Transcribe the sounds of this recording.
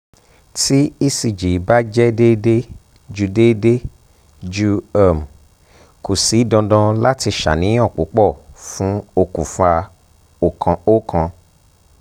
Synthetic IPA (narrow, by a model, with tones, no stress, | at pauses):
ti˦i˦si˨d͡ʒi˨˦ba˦d͡ʒɛ˦de˦de˦ | d͡ʒu˧de˦de˦ | d͡ʒu˦a˨m˨ | ko˨si˨˦dɔ̃˧dɔ̃˧la˦ti˧ʃa̰˨nĩ˨˦ɔ˦˨k͡po̰˨˦k͡pɔ˦˨fũ˦o˦˨ku˨fa˧ | o˨ko˦kʰã˧